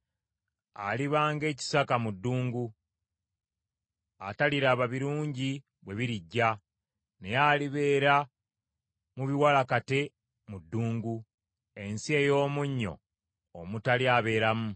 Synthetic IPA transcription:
a̰liβaːŋɡe̞ːci̥sakamudːuːŋɡu | a̰taliɾaβaβiɾuːɲɟi | βwe̞βiɾiɟːa | ne̞jaːliβe̞ːɾa | muβiwalakate̞ | mudːuːŋɡu | e̞nsie̞ːjo̞ːmuɲːo̞̰ː | mutaliaβe̞ːɾamu

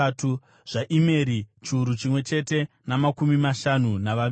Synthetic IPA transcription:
tu | ʐ̥aʔimeɾit͡ʃiːɾut͡ʃimwe̞t͡ʃe̞te̞ | namakumimaʃanunaʋa

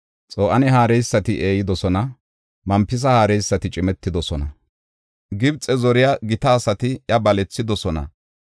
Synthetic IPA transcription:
t͡sʼoːʔɐnɛɦaːɾɛjsːɐt̪ɪʔeːjɪd̪ɔsɔnɐ | mɐmpːɪs̬ɐhaːɾɛjsːɐt̪ɪt͡ʃʼɪmɛt̪ːɪd̪ɔsɔnɐ | ɡɪbt͡sʼɛzɔɾɪjaɡɪt̪ɐːsɐt̪ɪʔjɐbɐlɛt͡sːɪd̪ɔsɔnɐ̰

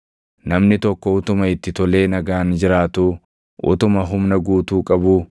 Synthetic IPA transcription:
nɐmnɪt̪ɔkːɔʊt̪ʊmɐɪt̪ːɪt̪ɔle̞ːnɐɡaːnd͡ʒɪɾaːt̪uː | ʔʊ̰t̪ʊmɐɦʊmnɐɡuːt̪uːkʼɐbuː

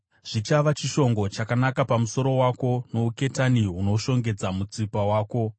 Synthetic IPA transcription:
ʐ̥it͡ʃaʋat͡ʃiʃo̞ŋɡo̞t͡ʃakanakapamuso̞ɾo̞wako̞no̞uke̞taniuno̞ʃo̞ŋɡe̞d͡zamut͡sipawaːko̞

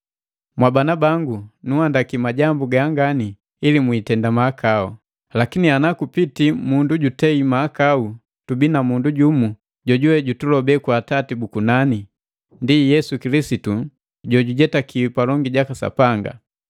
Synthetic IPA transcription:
mwabanabaŋɡunuhandakimaɟambuɡaaŋɡani | ilimwitɛndamaːkʰau | lakinianakupitimunduɟutɛimaːkau | tubinamunduɟumu | ɟɔɟuwɛɟutulɔbɛkwatatibukunani | ndijɛsukilisitu | ɟɔɟuɟɛtakʰiwipalɔŋɡiɟakasa̰paŋɡa̰

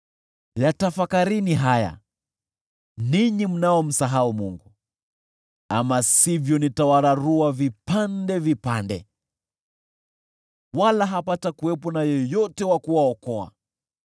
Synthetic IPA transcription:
jatafakaɾiniɦaja̰ | niɲim̩naɔm̩saɦaumuŋɡu | amasivjɔnitawaɾaɾuavipandɛvipandɛ̰ | walaɦapatakuwɛpɔnajɔjɔtɛwakuwaɔkɔa̰

